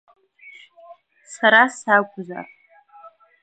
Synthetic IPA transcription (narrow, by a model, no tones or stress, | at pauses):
saɾasaɡʷʼʊza̰r